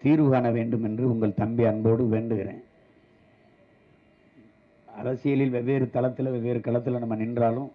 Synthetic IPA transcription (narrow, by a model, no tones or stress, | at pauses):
t̪iːɾʋɯɣaːnɐʋeːɳɖɯmɛndrɯʊŋɡɐɭt̪ɐmbɪɐnboːɽɯʋeːnɖɯɣɪɾḛ̃ː | ɐɾɐsɪjɐlɪlʋɛʋːeːɾɯt̪ɐlɐt̪ːɪlɐʋɛʋːeːɾɯkɐlɐt̪̬ːɯlɐnɐmːɐnɪndraːlɯm